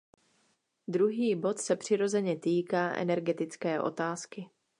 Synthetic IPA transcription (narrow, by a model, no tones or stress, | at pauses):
d̪ɾuɦiːbo̞t̪sɛpr̝̥ɪɾo̞zɛɲɛt̪iːkaːʔɛ̰nɛɾɡɛt̪ɪt͡skɛːʔo̞̰t̪aːskɪ